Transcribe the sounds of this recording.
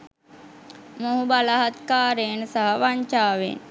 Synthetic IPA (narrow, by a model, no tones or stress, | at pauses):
moɦubalaɦat̪kaːɾenəsaɦaʋaɲt͡ʃaːʋḛn